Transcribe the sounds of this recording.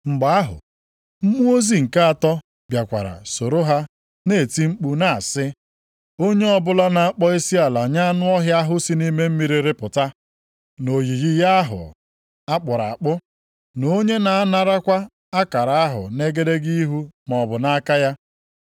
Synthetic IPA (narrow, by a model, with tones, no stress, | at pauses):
ŋ͡m̩˨ɡ͡ba˨a˦ɦʊ̰˨ | m̩˦mu˦o˦zi˦ŋ̩˨ka˦a˨tɔ˦ | bja˨kʷa̰˨ɾa̰˨so˨ɾo˦ɦa˦ | ne˨ti˦ŋ͡m̩˦k͡pu˦na˨a˨sɪ˦ | o˦ɲe˦ɔ˦bʊ˦la˦na˨a˦k͡pɔ˦i˦si˦a˨la˨ɲa˦a˦nʊ˦ɔ˦ɦja˦ɦʊ˦si˦ni˦me˦m̩˦mi˦ɾi˨ɾɪ˦pʊ˨ta˦ | no˨ɣi˨ɣi˦ja˦a˦ɦʊ̰˨ | a˦k͡pʊ˨ɾa˨a˨k͡pʊ˦ | no˦ɲe˦na˨a˦na˨ɾa˦kʷa˦ | a˦ka˨ɾa˨a˦ɦʊ̰˨ne˦ɡe˦de˦ɡi˦i˦ɦu˦m˨ɔ˨bʊ˨na˦ka˦ja˦